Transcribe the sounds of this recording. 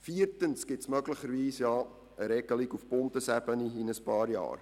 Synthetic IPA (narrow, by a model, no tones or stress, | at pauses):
fiːrtənsɡ̥ɪtsmœɡləχəɾviːsjɑː | əɾɛɡəlikufbɔntəsæbəniɪnəspɑːɾjɑ̰ːr